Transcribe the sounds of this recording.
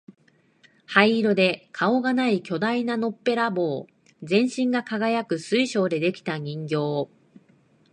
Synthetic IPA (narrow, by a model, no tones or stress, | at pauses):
haiɾo̞d̪e̞kʰao̞ɡanaikʲo̞d̪ainano̞pːe̞ɾabo̞ː | d͡zẽ̞ɰ̃ɕĩŋɡakaɡajakɯ̟sɨiɕo̞ːd̪e̞d̪e̞kʲi̥t̪aɲ̟ĩŋɡʲo̞ː